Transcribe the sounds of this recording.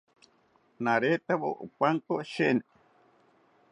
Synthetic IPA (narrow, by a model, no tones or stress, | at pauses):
naɾet̪aβo̰ʔo̰pʷaŋkoʃene